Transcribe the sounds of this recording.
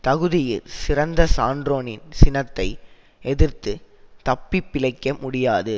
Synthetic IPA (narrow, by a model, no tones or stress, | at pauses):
t̪ɐɣɯðɪjɪlsɪɾɐnd̪ɐsaːɳɖɾoːnɪnsɪnɐt̪ːɐɪ | ɛðɪɾt̪ɯ | t̪ɐpːɪpːɪlɐɪkːɐmʊɽɪjaːðɯ